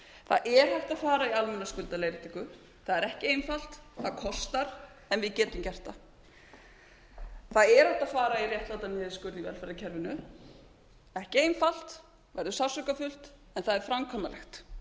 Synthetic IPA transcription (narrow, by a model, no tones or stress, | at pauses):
θaðɛɾ̥hajft̪aðfaːɾaialmɛnːaskʏlt̪alejɾɪt̪ʰikʏ | θaðɛɾɛhcɪeːjnfal̥t̪θaðkʰɔst̪aɾ̥ | ɛnvɪðcɛːt̪ʏmcɛr̥t̪a | θaðɛɾhajwft̪aðfaːɾairjɛht̪lat̪amjɛːðɪskʏɾt̪ivɛ̰lfɛɾacʰɛɾvʏnʏ | ɛhcɪeːjnfal̥t̪ | vɛɾðʏsavsʏkafʏl̥t̪ | ɛnθaðɛɾ̥fɾamkʰɔːmalɛxt̪